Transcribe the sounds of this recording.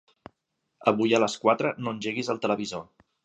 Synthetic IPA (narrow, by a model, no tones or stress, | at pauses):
əβujələskwat̪ɾənonʲʒeɣizəlˠt̪ələβizo